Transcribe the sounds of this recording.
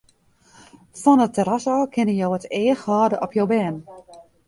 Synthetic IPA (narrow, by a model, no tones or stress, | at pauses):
fɔnətːəɾasɔːkʰɪnəjowəteːxhɔːdəʔɔpʰjowbɛːn